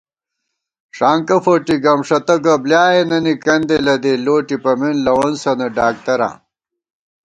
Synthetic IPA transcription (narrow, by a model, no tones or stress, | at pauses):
ʂaːŋkɐfoːʈiɡɐmʂɐt̪ɐɡɐbljaːjenɐnikɐnd̪elɐd̪eloːʈipɐminlɐwonsɐnɐɖaːk̚t̪ɐɾa̰ː